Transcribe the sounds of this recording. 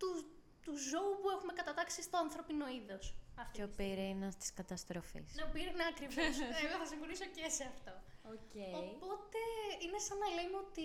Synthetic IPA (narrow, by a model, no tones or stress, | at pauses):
t̪u | t̪uzo̞upue̞xume̞kɐt̪ɐt̪ɐksist̪o̞ɐnθɾo̞pino̞iðo̞sɐft̪eopiɾinɐst̪i̥skɐt̪ɐst̪ɾofḭsneopiɾinɐkɾivoseɣoθɐsiŋxo̞niso̞ceseɐft̪o̞oceojpo̞t̪e̞ine̞sɐnɐle̞meot̪i